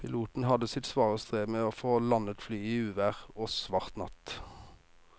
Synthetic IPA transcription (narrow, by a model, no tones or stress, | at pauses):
pʰɪluːt̪n̩hɑd̪əsɪt̪sʋɑːʁəst̪ʁeːmeːoːfoːlɑnət̪flyːiːʉːʋæʁoːsʋɑʁt̪nɑ̰t̪